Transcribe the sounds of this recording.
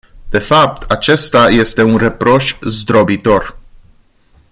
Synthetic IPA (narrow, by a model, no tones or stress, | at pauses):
d̪̥e̞fap̚t̪ʰat͡ʃe̞st̪aje̞st̪e̞unre̞pɾo̞ʃzd̪ɾo̞bit̪o̞r